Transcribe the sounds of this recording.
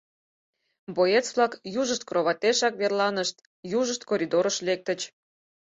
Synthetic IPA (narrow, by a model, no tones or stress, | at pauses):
boet͡sβlˠɑkjuʒəʃt̪̚kroβɑt̪eʃɑkβerlɑnəʃt̪ | juʒəʃt̪koɾʲid̪oɾəʃlek̚t̪ə̆t͡ɕ